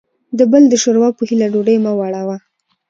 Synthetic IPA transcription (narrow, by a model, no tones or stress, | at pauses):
d̪əbəld̪əʃoɾwɑpəhilaɖoɖəjmawaɽawa